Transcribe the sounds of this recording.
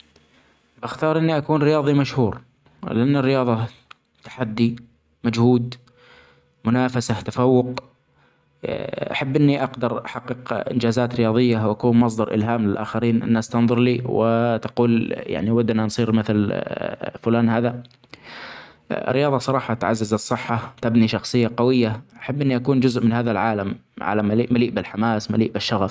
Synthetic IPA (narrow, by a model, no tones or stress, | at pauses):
baxt̪ɑːɾˤʔɪnːiʔakuːnɾɪjɑːðˤimaʃhuːɾ | lʔanːɪrːɪjɑːðˤɑ | t̪ḁħad̪ːi | mad͡ʒhuːd̪ | mʊnaːfasat̪afawːʊq | ʔa̰ħabːʔɪnːiʔaqd̪ɑɾˤʔaħɑqːɨqʔɪ̰nd͡ʒaːzaːt̪ɾɪjɑːðˤɪjːawʔakuːnmɑs̬ˤd̪ɑɾˤʔɪ̰lɦaːmlɪlʔa̰ːxɪɾiːnʔɪ̰nːast̪ɑnðˤʊɾˤliːwɪ̰t̪ḁquːlja̰ʕniwad̪ːnansˤiːɾmɪθl | fʊlaːnhaːða | rːɪjɑːðˤɑsˤɑɾˤɑːħɑt̪ʕazːazɨsˤːɨħːat̪abniʃɑxsˤɨjːaqɑwɪjːaʔaħabːʔɪnːiʔakuːnd͡ʒʊzʔmɪnhaːðalʕaːlamʕa̰lamaliːʔmaliːʔbɪlħamaːsmaliːʔbɪʃːɑɣaf